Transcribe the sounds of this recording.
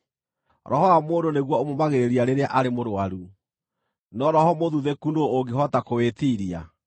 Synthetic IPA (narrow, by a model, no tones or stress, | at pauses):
ɾɔhɔamoːndoneɣwɔomomaɣeɾeɾiaɾeɾeaʔaɾemoɾoaɾu | nɔɾɔɦɔmoðuðekunooɡeɦɔtakowetiɾia̰